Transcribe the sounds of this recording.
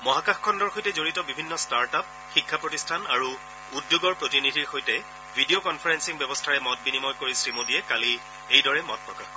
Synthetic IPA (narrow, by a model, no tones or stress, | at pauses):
mɔɦakaxkʰɔndɔɹxojtɛzoɹitɔbibʱinːɔstaɹtap̚ | xikʰːapɹotistʰanaɹu | udjoɡɔɹpɹotinidʱiɹxojtɛ | bʱidiokɔnpʰaɹɛnsiŋbjɛbɔstʰaɹɛmɔt̚binimɔjkoɹisɹimodiɛkali | ejdɔɹɛmɔ̰t̚pɹɔkaxɔ